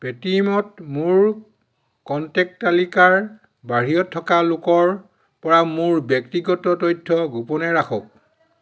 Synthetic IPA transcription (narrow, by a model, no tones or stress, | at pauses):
petimɔtmʊɹ | kɔntɛk̚talikaɹ | baɹijɔtʰːɔkalʊkɔɹ | pɔɹamʊɹbjɔktiɡɔtɔtojtʰːɔɡupɔnɛɹakʰɔ̰k̚